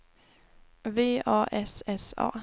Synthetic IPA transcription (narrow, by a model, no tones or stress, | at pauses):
ʋe̝̰ːɑ̰ːʔɛsɛsɑ̰ː